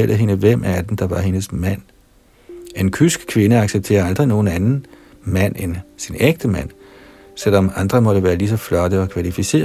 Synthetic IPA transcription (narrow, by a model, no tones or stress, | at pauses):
el̰ðɦe̝nəʋem̰ʔæɐd̥end̥ɑ̈ʋɑ̈he̝nəsmæn̰ | e̝nkʰysɡ̥kʰʋe̝nəɑ̈ɡ̥seb̥̚t͡sʰe̝̰ːɐɑ̈ld̥ʁino̝ːn̩ænn̩ | mæn̰ensineɡ̥̚d̥əmæn̰ | sel̰ɒ̽mɑ̈nd̥ʁɐmɒ̽ɾ̥əʋæːɐlis̬ɒ̽flɒ̽d̥əɒ̽kʰʋælifise̝̰ː